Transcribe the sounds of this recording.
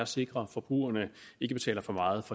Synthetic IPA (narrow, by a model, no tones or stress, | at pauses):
æɐse̝ɡ̥ʁɐfɒ̽b̥ʁuːɐnəe̝ɡəb̥e̝̥t͡sʰɛ̰ːlɐfɒ̽mɑ̈ːð̩ˠfɒ̽